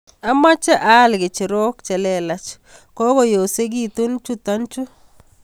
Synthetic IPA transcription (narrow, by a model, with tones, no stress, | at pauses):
a˦ma˦t͡ʃɛ˦ʔa˦˨lɡɪ˨t͡ʃɪ˨ɾo˦kt͡ʃɛ˨lɛ˦˨la˨t͡ʃ | kɔ˦ko˨jo˨se˦k̬i˦tu˦nt͡ʃu˦ta˦nt͡ʃu˦